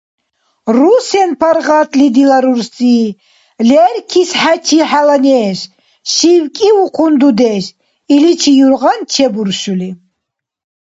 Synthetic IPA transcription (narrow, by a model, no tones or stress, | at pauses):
rusɛnpʰaɾʁat̪ʼlid̪ilaɾuɾsʼiː | lɛrkʰisħat͡ʃʰiħalanɛːʃ | ʃiwkʼiuqʰund̪ud̪ɛʃ | ilit͡ʃʰijuɾʁant͡ʃʰɛbuɾʃuli